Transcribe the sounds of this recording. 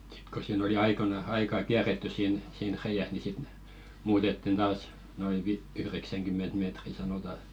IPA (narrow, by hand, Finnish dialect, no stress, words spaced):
si̥t ko siːn oli ɑikonɑ ɑikɑː kiæretːys siːn siːn reijæs ni sit n̆ĕ muːtetːin tɑːs noi ʋi yhreksæŋɡ̊ymˑent meːtri sɑnotɑ